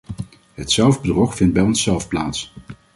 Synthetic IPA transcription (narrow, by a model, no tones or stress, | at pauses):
ɦətsɛlˠvbədrɔχfɪnd̚bɛjɔnsːɛlˠfplaːts